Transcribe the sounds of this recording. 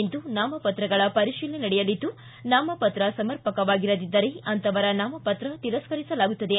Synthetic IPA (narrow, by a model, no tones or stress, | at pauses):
nd̪unaːmɐpɐt̪ɾɐɡɐɭɐpɐɾiʃiːlenɐɽɛjɐlid̪ːu | naːmɐpɐt̪ɾɐsɐmɐɾpɐkɐʋaːɡiɾɐd̪id̪ːɐɾeɐnt̪ɐʋɐɾɐnaːmɐpɐt̪ɾɐt̪iɾɐskɐɾisɐlaːɡut̪ːɐd̪e